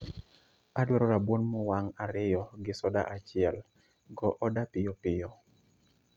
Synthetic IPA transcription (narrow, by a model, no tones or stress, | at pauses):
adwɔɾɔɾabwonmɔwaŋaɾɪjɔɡɪsɔda̰ʔat͡ʃɪɛl | ɡɔʔɔdapɪjɔpɪjɔ